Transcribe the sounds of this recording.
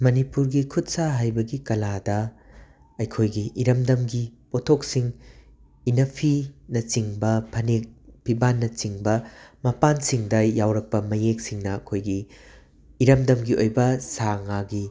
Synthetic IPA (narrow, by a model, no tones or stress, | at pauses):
mɐnipuɾɡikʰutsaɦajbɐɡikɐladɐ | ɐjkʰojɡiʔiɾɐmdɐmɡipotʰok̚siŋ | inɐpʰinɐt͡ʃiŋbɐpʰɐnek̚pʰibanːɐt͡ʃiŋbɐmɐpansiŋdɐjawɾɐk̚pɐmɐjek̚siŋnɐɐkʰojɡiː | ɾɐmdɐmɡiʔojbɐsaŋaɡi